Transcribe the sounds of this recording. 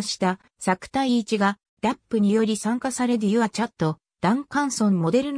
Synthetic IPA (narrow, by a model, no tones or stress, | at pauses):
ɕi̥t̪a | sakɯ̟̥t̪aiːt͡ɕiɡa | d̪ʲapːɯ̟ɲ̟ijo̞ɾʲisãŋkasaɾe̞ɾɯ̟jɯ̟βat͡ɕat̪ːo̞ | d̪̥ãŋkãɰ̃sõ̞mmo̞d̪e̞ɾɯ̟n